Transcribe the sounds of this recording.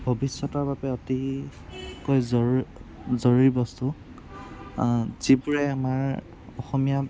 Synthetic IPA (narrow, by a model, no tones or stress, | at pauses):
bʱɔbisːɔtɔɹbabɛɔti | kojzɔ | zɔɹiɹbɔstu | z̥ibuɹɛamaɹ | ɔxɔmija